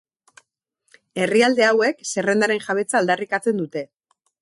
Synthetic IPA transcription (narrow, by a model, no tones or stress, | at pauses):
e̞riald̪e̞awe̞kse̞re̞nd̪aɾe̞nʝaβ̞e̞t͡saːld̪arikat͡se̞nd̪ut̪e̞